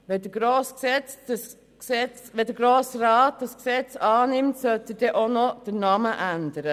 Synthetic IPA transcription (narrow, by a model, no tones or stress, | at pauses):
ʋɛdəɡɾoːsksɛt͡sdəs | ksɛt͡sʋɛdəɡ̥ɾoːsɾɑːt̚d̥ɑsksɛt͡sɑːnɪmtsœltəd̥ɛʔonɔd̥ənɑməʔændəɾə